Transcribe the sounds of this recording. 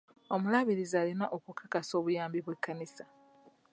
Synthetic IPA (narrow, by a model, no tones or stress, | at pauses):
o̞mulaβiɾizaːlinaʔokukʰakaso̞ːβujaːmbiβwekːanisa